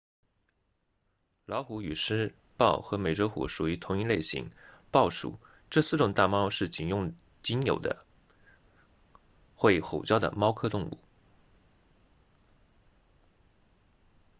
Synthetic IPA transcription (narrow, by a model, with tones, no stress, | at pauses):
lɑ˧˥ʊxu˧˥y˨˩ʂɻ̩˥ | pɑ˥˩ʊxɤ˧˥me˨˩ɪʈ͡ʂo˧˥ʊxṵ˨˩ʂu˨˩y˧˥t̪ʰʊ˧˥ŋi˥˧le˥˩ɪɕḭ˧˥ŋpɑ˥˩ʊʂṵ˨˩˦ | ʈ͡ʂɤ˥˧sɹ̩˥˩ʈ͡ʂʊ˨˩ŋt̪a˥˩mɑ˥ʊʂɻ̩˥˩t͡ɕi˨˩njʊ˥˩ŋ | t͡ɕi˥njo˨˩ʊd̪ə̰˦ | xwe˥˩ɪxo˨˩ʊt͡ɕjɑ˥ʊd̪ə̰˨mɑ˥ʊkʰɤ˥t̪ʊ˥˧ŋṵ˥˩